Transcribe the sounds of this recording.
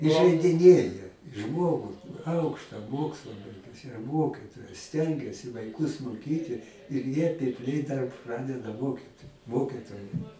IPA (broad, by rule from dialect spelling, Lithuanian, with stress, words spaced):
ɪʒʲɛɪdʲɪˈnʲeːjɛ ˈʒmoːɡʊ ˈɐʊkʃtɐ ˈmoːkslˠɐ ˈbɐɪɡʊsʲɪ ˈmoːkʲɪtoːjɛs ˈsʲtʲɛŋʲɡʲɛsʲɪ ʋɐɪˈkʊs moːˈkʲiːtʲɪ ɪr ˈjiɛ pʲɪpʲˈlʲɛɪ dɐr ˈprɑːdʲɛdɐ ˈmoːkʲiːt ˈmoːkʲɪtoːjɛ